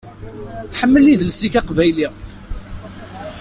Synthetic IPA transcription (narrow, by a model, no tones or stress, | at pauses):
ħəmːəlːiðəlsikæqvæjli